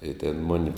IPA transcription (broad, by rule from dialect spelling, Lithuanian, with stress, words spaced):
ɪ tʲeːn ˈmʊnʲɪ